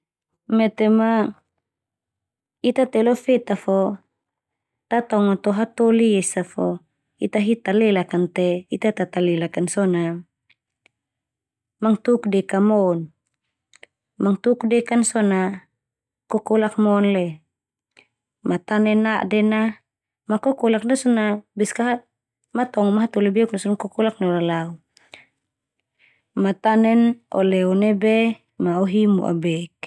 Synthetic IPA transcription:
mɛt̪ɛma | it̪at̪ɛlɔfɛt̪afɔ | t̪at̪aŋat̪ɔɦat̪oliɛsafɔ | it̪aɦit̪alɛlakant̪ɛit̪at̪at̪alɛlakansɔna | maŋt̪ukdɛkamɔn | maŋt̪ukdɛkansɔna | kɔkɔlak̚mɔnlɛ | mat̪anɛnaʔdɛna | makɔkɔlak̚nasɔnabɛskaɦa | mat̪ɔŋɔmaɦat̪ɔlɛbɛuk̚nasɔnkɔkɔlak̚nɔlalau | mat̪anɛnɔ̰lɛɔnɛbɛ | maɔɦimṵʔa̰bɛk̚

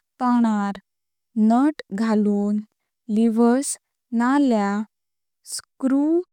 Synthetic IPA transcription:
t̪aɽ̃aɾ | nəʈɡʱaluːn | liʋəs | nalja | skɾu

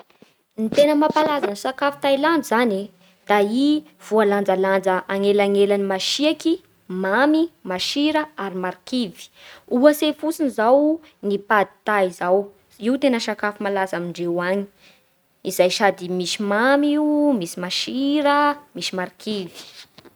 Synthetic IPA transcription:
nit̪enəmapalazaniʃakafi̥t̪ajland͡zzani | d̪̥ai | v̥ualand͡zaland͡zəʔaŋelaŋelanimaʃiaki | mamimaʃiɾəaɾimaɾikivi̥uəsefusinizaw | nipad̪i̥t̪aizaw | iwt̪enəʃakafimalazamiɳɖ͡ʐewaɲi̥ | izajʃad̪imisimamiumisimaʃiɾəmisimaɾikʰivi̥

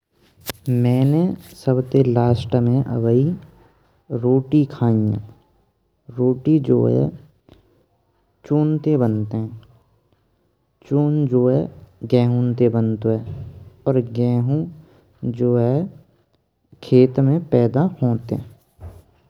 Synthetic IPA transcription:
mɛ̃ːnesəbt̪elaːsʈmẽʔə̰ʋəi | ɾoːʈikʰaːĩã̰ | ɾoːʈid͡ʒo̰ːɦɛ̰ | t͡ʃoːnt̪ebənt̪eɦɛ̃ː | t͡ʃoːnd͡ʒoːɦɛɡɛ̃ːɦũnt̪ebənt̪oɦɛːɔːɾɡɛːɦũ | d͡ʒoːɦɛ | kʰeːt̪mẽpɛːd̪ahoːt̪eɛ̃

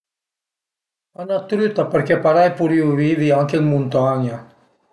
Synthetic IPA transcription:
anat̪ɾyt̪apəɾkɛpaɾajpuɾiwviviaŋkelmunt̪aɲa

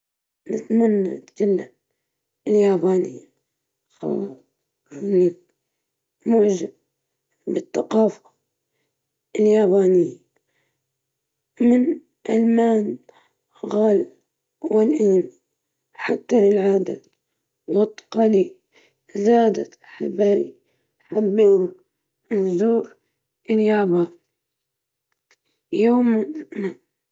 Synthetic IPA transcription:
nɪt̪manːa̰t̪d͡ʒalːam | ɪljaːbaːnɪjːa | xɑ̰lːɑs | aniːn | mʊʕd͡ʒab | bɪθːaqɑːfḁ | ɪljaːbaːnɪjːa | mɪn | ʔalmaːn | ɣaːl | wɪlʔiːn | ħat̪ːalɪlʕaːd̪a̰ | wɪt̪ːqɑli | zaːd̪at̪aħabaːlḭ | ħabːeːhʊ | ɪzuːɾ | ʔɪljaːbaː | joːmna

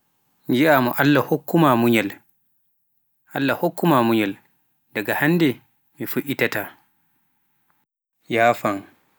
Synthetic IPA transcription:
nd͡ʒiʔaːmɔʔalːahokːumamuɲɛl | ʔalːahokːumamuɲɛl | daɡahandɛ | mifuʔitataː | jaːfaŋ

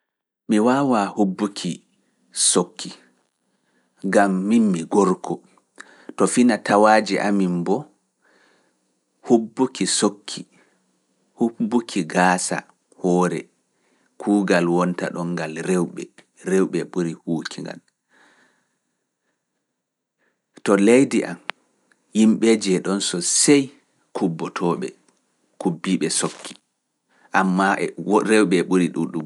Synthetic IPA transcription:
miwaːwahubːukʰi | sokʰːi | ɡamːimmiɡɔɾkʰɔ | tɔfinatawaːd͡ʒiʔa̰mimbɔ | hubːukʰisokʰːi | hubːukʰiɡaːsa̰ | hɔːɾɛ̰ | kʰuːɡalwɔnta̰ɗɔŋɡalɾɛwɓɛ | ɾewɓɛɓuɾihuːkʰiŋɡa̰l | tɔlejdiʔa̰m | himɓɛd͡ʒɛɗɔnsɔsej | kʰubːɔtʰɔɓɛ̰ | kubːiɓɛsokʰːi̥ | ʔamːaʔɛɾɛwɓɛɓuɾiɗuɗum

